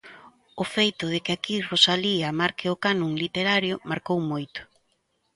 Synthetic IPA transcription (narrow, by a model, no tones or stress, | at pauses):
ʊfejt̪ʊðɪkɪakirosaliamaɾkɪʊkanuŋlit̪eɾaɾjʊmaɾkowmojt̪ʊ̥